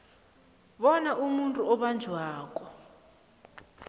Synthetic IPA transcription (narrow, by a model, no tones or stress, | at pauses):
βɔnaʔumuntʼuɔβand͡ʒʱwaːkʼɔ